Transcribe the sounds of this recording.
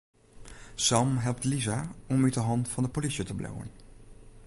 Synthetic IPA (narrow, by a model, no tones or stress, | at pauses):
sɑmɦɛlˠp̚tlizaːɔmytəɦɑntfɑndəpolisətəblʔa̰wə̰n